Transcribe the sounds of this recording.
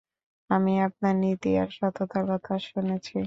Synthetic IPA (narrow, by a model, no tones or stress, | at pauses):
amiap̚naɾnit̪ia̰ɾʃɔt̪ʰot̪aɾkɔt̪ʰaʃunet͡ɕʰi